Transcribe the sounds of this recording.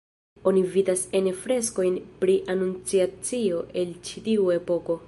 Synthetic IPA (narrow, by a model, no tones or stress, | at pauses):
o̞nividasenefɾe̞sko̞jnpɾiʔanunt͡siat͡sio̞ʔe̞lt͡ʃitiue̞po̞ko̞